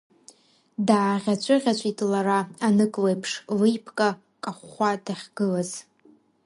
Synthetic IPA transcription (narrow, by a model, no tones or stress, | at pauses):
daːʁʲat͡ʃʷʰʼɨʁʲat͡ɕʷʼitʼlaɾaːnɨkʼlejpʰʂlɨjpʰkʼa | kʼaχʷadaχʲɡ̥ɨlaz